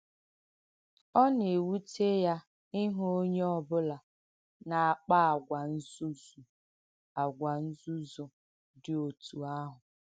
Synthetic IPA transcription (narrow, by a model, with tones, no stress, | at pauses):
ɔ˦n˨e˨wu˦te˦ja˦ | ɪ˦ɦo˦ɲe˦ɔ˦bʊ˦la˨ | na˨a˨k͡pa˦a˨ɡʷa˨n̩˦zu˦zu˨ | a˨ɡʷa˨n̩˦zu˦zo˨ | dɪ˨o˨tu˨a˦ɦʊ˨